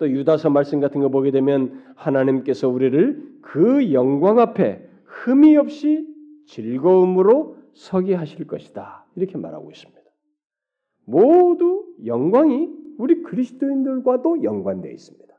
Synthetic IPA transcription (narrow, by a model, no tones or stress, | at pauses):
t͈ojudasʰʌmaɭs͈ɯmɡatʰɯnɡʌboɡedwe̞mjʌnhanaɲimk͈e̞sʰʌuɾiɾɯɭkɯjʌŋɡwaŋɦapʰe̞̰ | hɯmiʌp̚ɕ͈i | t͡ɕiɭɡʌumɯɾo | sʰʌɡiɦaɕʰiɭk͈ʌɕʰi̥d̥a | iɾʌkʰe̞ma̰ɾa̰ɡo̰is͈ɯ̥mɲid̥a | modujʌŋɡwaŋiuɾikɯɾisʰɯ̥t͈oindɯɭɡwadojʌŋɡwandwe̞̰ḭs͈ɯ̥mɲid̥ḁ